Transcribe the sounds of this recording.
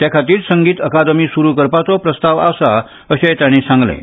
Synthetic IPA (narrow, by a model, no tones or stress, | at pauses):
t̪jakʰat̪iːɾsəŋɡiːt̪əkad̪miːsuɾuːkəɾpat͡sɔpɾəst̪aʋa̰wsa | əɕejt̪jaɽ̃isãŋɡlḛ̃